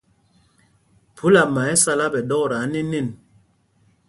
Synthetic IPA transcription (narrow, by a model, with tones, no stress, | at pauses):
pʰu˦la˨ma˨ɛ˦sa˦la˦bɛ˨dɔ˦kɾa˨˦ni˦ni˦˨n